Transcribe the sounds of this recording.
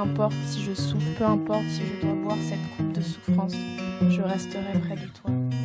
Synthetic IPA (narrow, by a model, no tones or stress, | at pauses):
ɛ̃pɔʁt̪siʒəsufpøɛ̃pɔʁt̪siʒəd̪wabwaʁsɛt̪kʰup̚d̪əsu̥fχɑ̃sʒəʁɛst̪əʁɛpχɛd̪ət̪wa